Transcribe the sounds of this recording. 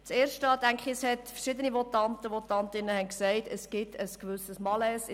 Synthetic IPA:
t͡seːɾʃtɑːtæŋkχɪshɛtfəɾʃɪd̪ənimɔtɑntəʋɔtɑntɪnəhɛnksɛɪtʰəsɡ̥ɪtʰəskvʏsəsmɑlɛs

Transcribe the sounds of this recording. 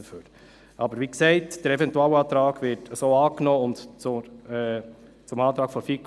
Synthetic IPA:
føːt | ʔɑbəɾʋiksɛɪtd̥əɾɛvɛntuɑːləɑːt̪ɾɑːɡʋɪɾtʰəsoːɑːknɔːʊntt͡sʊɛː | t͡sʊmɑːt̪ɾɑːkfɔfik

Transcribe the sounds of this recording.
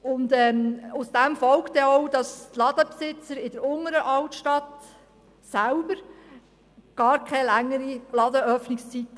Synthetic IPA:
ʊndɛːmʊsd̥æmfɔlkt̪ɛɔʊd̥ɑst̪lɑd̥̪əpsɪt͡səɾɪd̥əɾʊŋəɾəʔɑltʃtɑt̪ | sælbəɾ | ɡ̥ɑːɾkʰɛjlæŋːəɾilɑd̪əœfnɪkst͡sit̪ːə

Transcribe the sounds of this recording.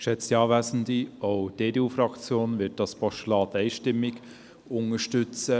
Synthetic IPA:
ʃɛt͡stjɑːvaɪsn̩d̪ioʊd̥eːdeufɾɑkt͡sjoːnvɪt̚d̥ɑspʰɔʃtəlɑːtaɪʃtɪmːɪɡ | ʊŋəʃtʏt͡sə

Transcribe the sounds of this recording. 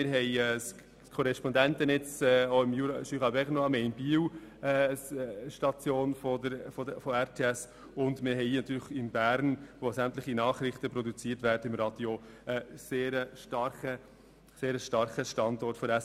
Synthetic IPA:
ɪɾɦɛɪjɛːs | kʰɔɾɛʃpɔndæntənɛt͡sɛːoɪmjuɾʃyʁɑbɛχənoɑmeɪnbiːwɛsʃtɑt͡sjoːnfɔdəfɔdfɔæɾtʰeːɛs | ʊndmɪɾɦɛɪnɑt̪ʰyːɾləχɪmbæːɾnʋosæmt̪ləχinɑːχɾɪχtəpɾɔdut͡siəɾtvæːɾdəɪmɾɑd̥jo | əseːɾəʃtɑɾχə | seːɾəʃtɑɾχəʃtɑndɔɾtfɔɾɛs

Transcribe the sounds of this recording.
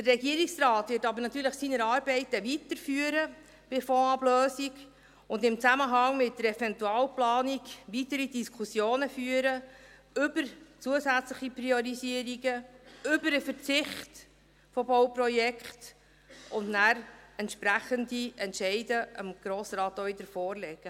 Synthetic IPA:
d̥ərɛɡiəɾiksrɑːt̪ʋɪɾtɑbəɾnɑt̪yːɾləχsinəɾɑːɾbɛɪtəʋitəɾfyːəɾə | b̥ɪfoɑbløːsiɡ | ʊndɪmt͡sæməɦɑŋmɪt̚dəɾɛfɛntuɑːlplɑːniɡʋitəɾidiskʰusjoːnəfyːəɾə | ʏbəɾt͡suəsæt͡sləχipriɔɾisiəɾiɡəʏbəɾəfəɾt͡sɪχt | fɔbɔwprɔjɛkχt | ʊndnæɾɛntʃpɾæχəndiɛntʃɛɪdəəmɡ̥ɾoːsɾɑːtoɪd̥əɾfɔːrlɛɡ̥ə

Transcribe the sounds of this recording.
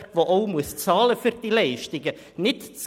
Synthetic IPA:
tʋoʔoʊmuəst͡sɑːləfyɾd̥ilɛɪʃtɪɡə | nɪtt͡s

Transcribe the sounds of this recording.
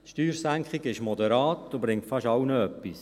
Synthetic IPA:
ʃtyːɾsæŋkχiɡɪʃmɔdəɾɑːtdobɾɪŋtfɑʃɑwnəœpːis

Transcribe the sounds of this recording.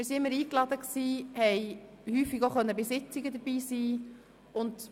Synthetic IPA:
mɪɾsiɪmːəɾiːklɑdəksiːhɛɪ | hyːfiɡoʊχœnːəbɪsɪt͡sɪɡəd̪əb̥iːsiː | ʊnd

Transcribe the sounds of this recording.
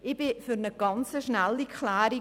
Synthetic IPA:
ɪbɪfyɾnəɡ̥ɑnt͡səʃnælːikʰlaːɾi

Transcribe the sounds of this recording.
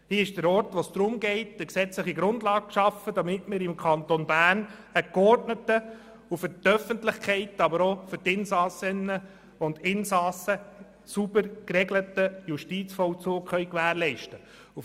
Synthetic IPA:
hiːɪʃd̥əɾɔɾtʋosd̪̥ɾʊmɡɛɪtəksɛt͡sləχiɡɾʊndlɑːk̚ʃɑfəd̥ɑmɪtmɪːɾɪmkʰɑnt̪onbæːrnəkɔrtnətə | ufʏɾtœfəntlɪχkʰɛɪtɑbəɾofʏɾtɪnsɑsɪnːə | ʊndɪnsɑsə | subəɾkɾɛɡlətəjuʃtit͡sfɔwt͡soːkχœʏɥkʋæːɾlɛɪʃtə | u

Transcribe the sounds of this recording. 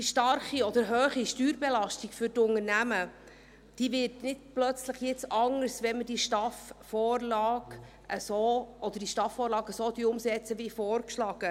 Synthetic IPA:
diʃtɑrχiɔd̪əɾɦøːχiʃtyːɾbɛlɑʃtikfʏɾtʊŋənæmə | d̥iːvɪːɾtnɪtplœt͡sləχjɛt͡sɑŋəɾsʋɛnməd̥iʃtɑfː | ɔːrlɑːɡ | ʔəsoːɔd̪əɾd̥iʃtɑfɔːɾlɑːɡəsoːd̪iʊmsɛt͡səʋifɔːrkʃlɑːɡ̥ə

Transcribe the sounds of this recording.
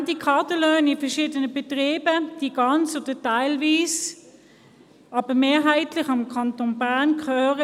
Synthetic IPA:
dikʰɑɐtəløːnɪfɛɐʃiːdənəbɛtʁeːbəd̥iːɡ̥ɑnt͡sod̥ətaɪlviːs | ɑːb̥əmeːɦaɪtlɪχɑmkʰɑntonbæɐnkʰœːʁə

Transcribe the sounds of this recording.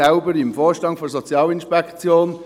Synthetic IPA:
aʊbəɾɪmfɔːɹʃtɑŋfɔs̬ɔt͡sjɑːlinʃpɛkt͡sjoːn

